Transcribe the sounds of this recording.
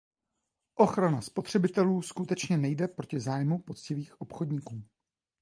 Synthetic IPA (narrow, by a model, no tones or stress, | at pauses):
ʔo̞xɾanaspo̞t̪r̝̥ɛbɪt̪ɛluːskut̪ɛt͡ʃɲɛnɛjdɛpɾo̞cɪzaːjmupo̞t͡scɪviːxʔo̞pxo̞dɲikuː